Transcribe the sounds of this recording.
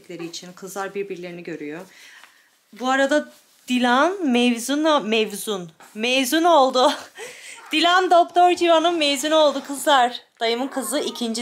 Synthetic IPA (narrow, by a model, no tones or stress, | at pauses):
clʲe̞ɾiːt͡ʃʰinkʰɯzlˠaɾbiɾbiɾlʲe̞ɾiniɟø̞ɾyjo | buaɾad̪a | d̪̥ilʲanmɛvzynmɛvzunmɛvzyno̞lˠd̪ʊ | d̪̥ilʲand̪ok̚t̪ʰoɾd͡ʒivanɯnmɛvzyno̞lˠd̪ukʰɯzlˠaɾd̪̥ajɯmɯkʰɯzɯicʰind͡ʒi